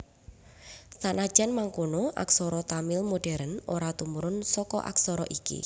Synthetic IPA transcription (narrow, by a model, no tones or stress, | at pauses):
sanad̥ʒ̥anmaŋkonoʔa̰ksɔɾɔt̪amɪlmoɖ̥ɛɾənoɾat̪umuɾʊnsɔkɔ̰ʔa̰ksɔɾɔʔikḭ